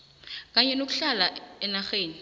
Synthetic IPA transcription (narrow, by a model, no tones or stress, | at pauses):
k̬aɲɛnok̬uɬalaɛnaxeːni